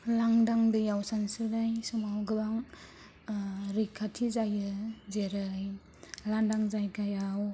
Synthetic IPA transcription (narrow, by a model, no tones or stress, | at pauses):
laŋdaŋdɯjawsansɯdajsumawɡɯbaŋ | ɾikʰːatʰizajɯzeɾɯj | landaŋzajkajaw